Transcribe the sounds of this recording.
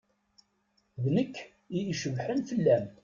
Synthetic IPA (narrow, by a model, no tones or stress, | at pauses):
ðnəkː | iiʃəvħənfəlːæm